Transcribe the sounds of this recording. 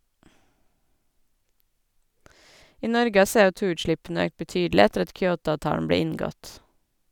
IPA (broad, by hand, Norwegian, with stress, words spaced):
ˈiː ˈnɔɾɡə ˈɑː ˌseːɔˈtuːʉːtˌʃlɪpn̩ə ˈøːkt bəˈtyːdl̩ɪ ˈætəɾ ˈɑt ˈkjoːˌtɑːʋˌtɑːɳ̩ ˈbɽeː ˈɪŋˌɡɔt